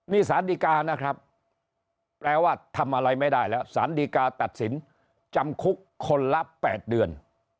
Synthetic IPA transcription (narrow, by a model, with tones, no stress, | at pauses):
niː˥˩saː˩˦ndiː˧kaː˧na˦˥kʰɾa˦˥p̚ | plɛː˧waː˥˩t̪ʰa˧mʔa˧ɾa˧jma˥˩jdaː˥˩jlɛː˦˥wsaː˩˦ndiː˧kaː˧t̪a˨˩t̪̚si˩˦n | t͡ɕa˧mkʰu˦˥kʰːo˧nla˦˥pɛ̰ː˨˩t̪̚dɯ˧ən